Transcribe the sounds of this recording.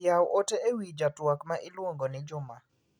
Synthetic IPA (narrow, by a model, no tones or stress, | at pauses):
jawʔoteewid͡ʒatwakmaʔɪlwoŋɡonɪd͡ʒʊma